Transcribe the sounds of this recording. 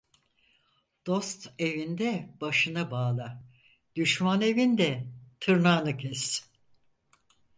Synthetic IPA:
d̪̥o̞st̪e̞vind̪ɛb̥aʃɯnabaːlˠa | d̪̥yʃmane̞vind̪ɛt̪ʰɯɾnaːnɯcʰɛs

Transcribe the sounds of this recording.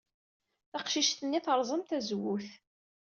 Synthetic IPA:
θaqʃiʃt̪ənːiθəɾˤzˤəmt̪æzwuθ

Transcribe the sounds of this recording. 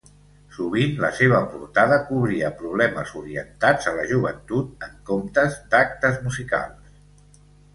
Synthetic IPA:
suβ̞inlə̰seβəpṵɾt̪aðəkuβɾiəpɾuβlɛməzuɾiə̰nt̪ad͡zələʒuβ̞ənt̪ut̪̚əŋkomt̪əzd̪ak̚t̪əzmuzika̰lˠs

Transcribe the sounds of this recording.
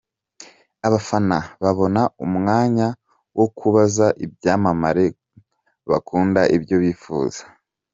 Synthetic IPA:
aβafanaβaβo̞naumŋaːɲa | wʔokʰuβazaʔibjaːmamaɾe̞ | βa̰kuːndaʔibjo̞βiːfṵːz̥ḁ

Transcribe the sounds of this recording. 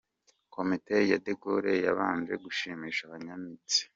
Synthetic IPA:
kʰo̞mitejadeɡoɾejaβaːnd͡ʒe̞ɡuʃiːmiːʃaβaɲamit͡si̥

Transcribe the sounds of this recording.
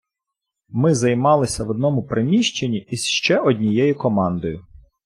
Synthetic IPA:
mɪzɐjmɑlˠɪsʲɐʋɔd̪̚nɔmʊpɾemʲiʃt͡ʃenʲiisʃt͡ʃɛʔɔdʲnʲijɛjʊkɔmɑnd̪ɔjʊ

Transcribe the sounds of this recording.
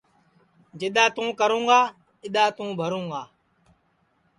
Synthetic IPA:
d͡ʒɪɗ̪aːt̪ũːkəɾũːɡaː | ɪɗ̪aːt̪ũːbʱəɾũːɡaː

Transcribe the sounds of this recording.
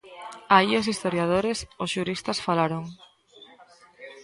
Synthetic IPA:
aios̬ist̪oɾjað̞oɾesosʃuɾist̪ɐsfalaɾoŋ

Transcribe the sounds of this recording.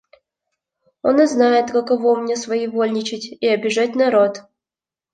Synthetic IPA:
oniznajɪt̪kɐkɐvomnʲesvɐivolʲnʲɪt͡ɕɪtʲiɐbʲɪʐatʲnɐɾot̪

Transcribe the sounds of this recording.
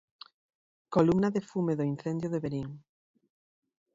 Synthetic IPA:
kolumnaðefumeðoin̟θend̪joðeβeɾiŋ

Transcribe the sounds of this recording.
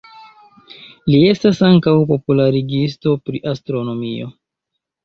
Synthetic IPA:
lie̞stasaŋkawpo̞pulaɾiɡisto̞pɾḭʔastɾo̞no̞mio̞̰

